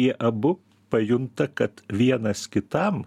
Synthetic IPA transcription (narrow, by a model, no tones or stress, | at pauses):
iɛʔɐbʊ | pɐjʊnt̪ɐkɐt̪ʋʲiɛnɐskʲɪt̪ɐm